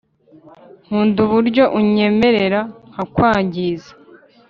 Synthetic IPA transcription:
ŋ̥uːnduβuɾɟo̞ʔuɲe̞me̞ɾe̞ɾahakwaːɲɟiːzḁ

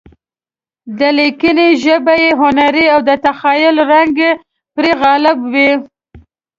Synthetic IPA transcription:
d̪əlikəneʒəbajeɦʊnaɾiawd̪ət̪axɑjʊlɾaŋɡe | pɾeɣalɪbwi

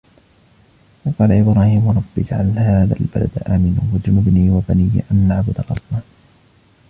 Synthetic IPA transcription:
wɑqɑːlaʔɪbɾaːhiːmwɾˤɑbːɪd͡ʒʕalhaːða̰lbala̰d̪ʔaːmɪnʊːwad͡ʒʊnʊbniːwabanijːʔanːaʕbʊd̪arˤɑsmaːn

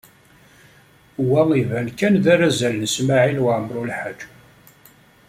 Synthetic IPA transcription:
wæŋivænkænðæɾæzælnəsmaʕilwʕəmɾˤulħəd͡ʒ

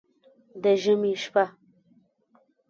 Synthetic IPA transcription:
d̪əʒəmiʃpa

